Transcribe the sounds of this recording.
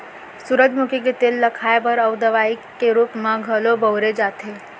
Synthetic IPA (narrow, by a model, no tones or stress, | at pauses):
suɾəd͡ʒmukʰik̬et̪eːlːəkʰaebəɾəʋd̪əʋaikːeɾuːpmãɡʱəlobəwɾed͡ʒaːt̪ʰe